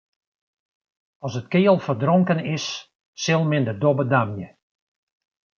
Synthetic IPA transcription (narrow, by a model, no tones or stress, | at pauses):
ɑsət̚kɪːəlˠfərdroŋkənɪsː | ɪlˠmɪndədɔbədamjə